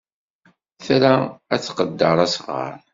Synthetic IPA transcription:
θɾææt͡sːqəd̪ːəɾˤɑsʁə̰ɾˤ

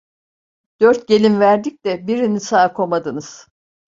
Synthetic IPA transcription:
d̪̥øɾt̪̚ɟe̞lʲinvæɾd̪ic̚ʲt̪ɛbiɾinisaːkʰo̞mad̪ɯnɯz̥

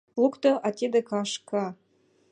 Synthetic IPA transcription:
lˠukt̪oʔɑt̪ʲed̪ɘ̆kɑʃkɑ

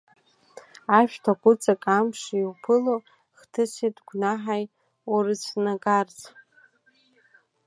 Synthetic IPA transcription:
aʃᶣtʰaɡʷʊt͡sʼakʼamʂiwpʰɨlo | χtʰɨsitʼɡʷnaħaj | urɨsʰnaɡart͡sʼ

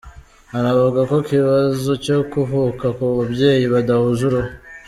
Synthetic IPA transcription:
aɾaβaɡako̞kiβazo̞co̞kuvukakuβabje̞ːjiβadahuzuɾo

